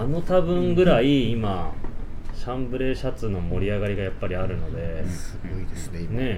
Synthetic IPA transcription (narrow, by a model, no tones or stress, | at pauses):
ano̞t̪abɯ̟̃ŋɡɯ̟ɾaiima | ɕãmbɯ̟ɾe̞ːɕat͡sɨno̞mo̞ɾʲiaɡaɾʲiɡajapːaɾʲiaɾɯ̟no̞d̪e̞ɡiesne̞